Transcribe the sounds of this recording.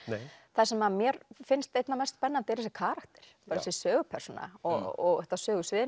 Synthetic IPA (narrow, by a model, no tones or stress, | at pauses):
θasɛmaðmjɛɾfɪnst̪ejt̪namɛst̪spɛnːant̪eɾɛsɪkʰaːɾakt̪ɪ̥ɾ̥paɾsɪsœːɣʏpʰɛɾ̥suna̰ɔɔɣœht̪asœːɣʏsvɪːɪ